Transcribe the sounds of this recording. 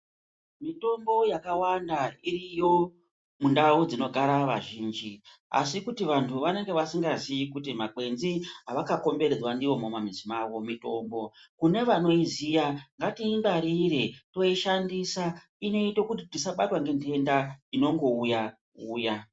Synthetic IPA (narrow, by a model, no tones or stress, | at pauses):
mito̞mbo̞jakawandairijo̞ | mundaud͡zino̞ɡʱaɾaʋaʒiːnd͡ʒia̰sikutiʋantʰuʋane̞ŋɡe̞ʋasiŋɡaziikut̬imake̞nziɦaʋakako̞mbe̞ɾed͡zwandiʋo̞momamizimaːwo̞mito̞mbo̞kune̞ʋano̞izijaŋɡatimbaɾiːɾeto̞iʃandisa | ino̞itokutitisaɓatwaŋɡe̞nde̞ndaino̞ŋɡo̞uja | uːja